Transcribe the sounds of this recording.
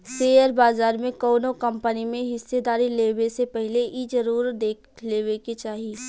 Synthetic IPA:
seːjəɾbaːzaːɾmẽkɔːnõkɐ̃mpənimẽɦɪsːed̪aːɾileːwesepɛɦɪleʔid͡ʒɐɾuːɾd̪eːkʰleːweket͡ʃaːɦii

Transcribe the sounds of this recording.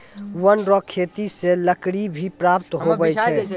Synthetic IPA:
wənɾɔkʰːet̪iseləkɽibʱipɾapt̪ɦobɛt͡ʃʰɛ

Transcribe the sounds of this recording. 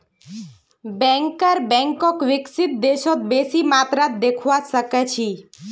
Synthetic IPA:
bɛ̃ŋkəɾbɛ̃ŋkɔkʋɪksɪt̪̚d̪eʃɔt̪̚besimat̪ɾat̪̚d̪ekʰʋaʃəket͡ʃʰi

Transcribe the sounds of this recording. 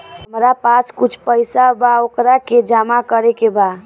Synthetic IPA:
ɦəmɾapasʰkut͡ʃʰpəjsabaokɾaked͡ʒamakəɾekeba

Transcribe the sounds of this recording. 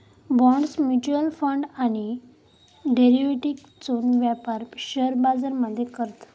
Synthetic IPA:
bɔ̃ɳɖsmjut͡ɕuəlfəɳɖaɽ̃i | ɖeɾiʋeʈik | t͡sonʋjapaɾɕəɾbad͡zəɾməd̪ʱːjekəɾt̪

